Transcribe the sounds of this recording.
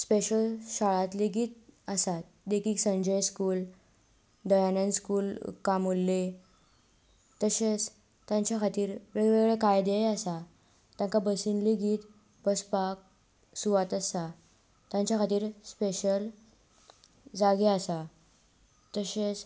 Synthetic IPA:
speɕəlɕaɭat̪liɡiːt̪̚əsat̪̚ | d̪ekiːksə̃ɲd͡ʑəjskuːl | d̪ɔjanənskuːlkamolːe | t̪əset͡s | t̪jãɲt͡ɕjakʰat̪iːɾʋeʋeɡɭekajd̪ejasa | t̪jãŋkabəsinliɡiːt̪ | bəspak̚ | suʋat̪əsa | t̪jãɲt͡ɕjakʰat̪iːɾspeɕəl | d͡zaɡeasa | t̪əɕet͡s

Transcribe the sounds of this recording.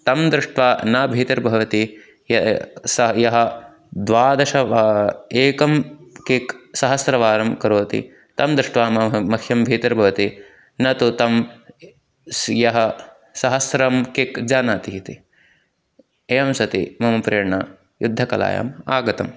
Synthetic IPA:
t̪ɐmd̪ɾɪʂʈʋaːnaːbʱiːt̪ɐɾbʱɐʋɐt̪i | jɐsɐjɐɦɐ | d̪ʋaːd̪ɐʃɐʋeːkɐmkeksɐɦɐsɾɐʋaːɾɐmkɐɾoːt̪ḭ | t̪ɐmd̪ɾɪʂʈʋaːmɐɐmɐkʰjɐmbʱiːt̪ɐɾbʱɐʋɐt̪i | nɐt̪ut̪ɐm | sjɐɦɐ | sɐɦɐsɾɐmkekd͡ʒaːnaːt̪iɦit̪i | eːjɐmsɐt̪ḭmɐmɐpɾɐjɐɳɐ | jud̪ʱːɐkɐla̰ːja̰ːmaːɡɐt̪ɐm

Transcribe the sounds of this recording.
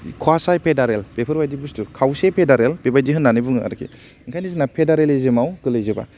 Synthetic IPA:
kʰwasajpʰedaɾelpepʰɯɾbajdibustukʰawsepʰedaɾelpebajdiɦɯnːanɯbuŋɯa̰ɾkʰḭ | iŋkʰajnizinapʰedaɾelezemawkɯlɯjzeba̰

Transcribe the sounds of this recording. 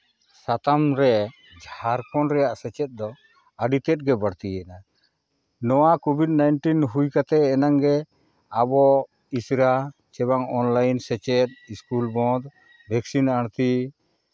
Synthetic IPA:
sat̪amɾɛ | d͡ʒʱhaɾkɔnɾɛjaʔsɛt͡ʃɛt̪̚d̪ɔ | əɖit̪ɛt̚ɡɛbəɽt̪iɛna | nɔwakobʱid̚najnʈinɦujkat̪ɛːnaŋɡɛ | abɔ | isɾat͡ʃɛβaŋɔnlajnsɛt͡ʃɛt̪̚iskulbɔ̃d̪ | bʱɛksinaɽ̃t̪i

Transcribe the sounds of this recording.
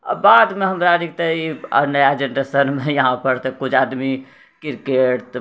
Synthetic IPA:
bad̪meɦəmɾaɾikt̪eiə̰nəjad͡ʒeɳʈəsənmejəɦãpəɾt̪ekut͡ʃʰad̪mi | kiɾkeʈʈ̪

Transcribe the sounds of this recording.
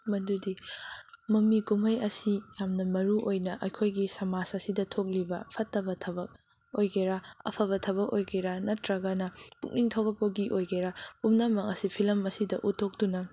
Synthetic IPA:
mɐdudi | mɐmikumɐjɐsijamnɐmɐɾuʔojnɐʔɐjkʰojɡisɐmasɐsidɐtʰok̚libɐpʰɐtːɐbɐtʰɐbɐk̚ | ojɡeɾaɐ̰pʰɐβɐtʰɐbɐkojɡeɾanɐtɾɐɡɐnɐpuk̚niŋtʰɐwbɐk̚pɐɡiʔojɡeɾapumnamɐŋɐsipʰilɐmɐsidɐʔutʰːok̚dunɐ

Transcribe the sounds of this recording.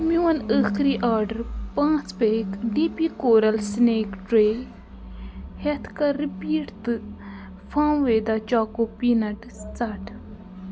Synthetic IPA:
muwɐnəːxɾiːʔaːɾɖɐɾpãːt͡speːkɖiːpikoːɾɐlsneːkʈɾeː | het̪ʰkaɾipiːʈt̪ɨ | fʰãːʋeːd̪at͡ʃaːkoːpiːnɐʈ | t͡saʈʰ

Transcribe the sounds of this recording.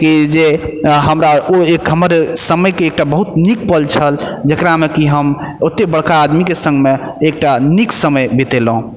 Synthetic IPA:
kid͡ʒeɦəmɾaoekɦəməɾsəməjkeːk̚ʈabəɦut̪nik̚pəlt͡ʃʰəld͡ʒekɾamekiɦəm | ot̪ːebəɽ̤kaːd̪mikesə̃ŋɡmeː | k̚ʈaniksəməjbet̪elɦũ

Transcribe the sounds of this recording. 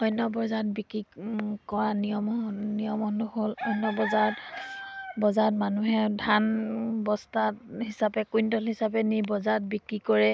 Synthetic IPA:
ɔjnɔbɔzat̚bikɹikɔɹanijɔmnijɔmɔnduɦolɔjnɔbɔzaɔt | bɔzaɹtmanuɦɛdʱanbɔstathisapɛkujndɔlɦisapɛnibɔzat̚bikɹikɔɹɛ

